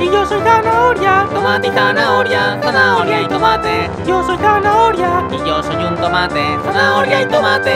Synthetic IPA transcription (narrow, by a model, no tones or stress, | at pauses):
ijosojdanaoɾjat̪omat̪d̪anaoɾjanaoɾajt̪omat̪eijosojd̪anaoɾjaijosojunt̪omat̪eanaoɾjait̪omat̪e